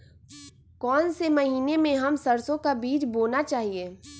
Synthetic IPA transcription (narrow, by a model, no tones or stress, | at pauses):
kɔːnsemɐɦiːnemẽɦɐmsɐɾsõkabiːt͡ʃboːnat͡ʃaːɦieː